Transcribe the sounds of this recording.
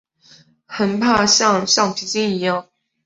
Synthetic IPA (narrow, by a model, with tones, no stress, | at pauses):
xə˨˩npʰa˥˩ɕɑ˥˧ŋɕɑ˥˩ŋpʰi˨˧˥t͡ɕi˥ni˨˧˥jɑ˥˨˩ŋ